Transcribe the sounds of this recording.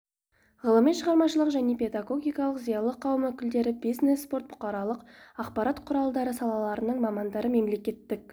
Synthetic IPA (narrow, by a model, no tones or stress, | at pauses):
ʁəlˠəmijʃəʁɑɾmɑʃəlˠəqʒæne̞pʲe̞d̪aɡo̞ɡʲijkɑlˠəqzijɑlˠəqʰɑwmɵkʲɪld̪e̞ɾɪbijzne̞sːpo̞rt̪̚b̥ʊ̥qɑɾɑlˠəqɑqpɑɾɑt̪qʰʊɾɑlˠd̪ɑɾəsɑlˠɑlˠɑɾənəɴmɑmɑnd̪ɑɾəme̞mle̞kʲe̞t̪ːɪk̚